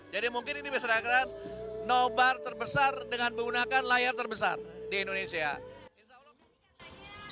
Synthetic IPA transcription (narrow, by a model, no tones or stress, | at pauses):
d͡ʒadimuŋkɪninibes̬aɾakannobart̪ərbəsardəŋanbəunakanlajart̪ərbəs̬a̰rdiːndonesia̰isa